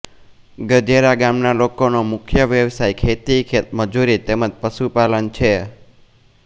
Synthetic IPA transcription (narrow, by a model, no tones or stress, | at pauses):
ɡəd͡ʒeɾaɡamnalokonomʊkʰjəʋjəʋsajkʰet̪ikʰet̪məd͡ʒuɾit̪eməd͡ʒpəʃupalənt͡ʃʰe